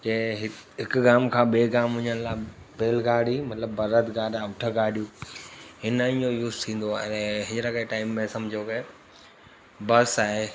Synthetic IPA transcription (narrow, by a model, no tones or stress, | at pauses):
keɦɪɦɪkɡaːmkʰãːɓeːɡaːmɦʊ̃ɲənlaːbeːlɡaːɽimɐt̪ləbːɐɾət̪ɡaːɖaːʊʈʰəɡaːɽʱijũ | ɦɪnəĩojuːzt̪ʰĩːn̆d̪oaːnẽɦɪ̃ɲəɾəkeʈaːɪmːẽsɐ̃md͡ʑʱioke | bɐsaːɦe